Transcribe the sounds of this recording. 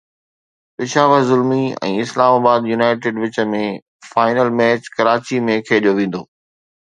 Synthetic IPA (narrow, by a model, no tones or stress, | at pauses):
pɪʃaːʋəɾzʊlmiɛ̰̃ːɪslaːmaːbaːd̪junaːɪʈ̬eːɖʋɪt͡ɕə̆mẽ | faːɪnəlmɛːt͡ɕkɐɾaːt͡ɕimẽkʰeːɗijoʋẽːn̆d̪oː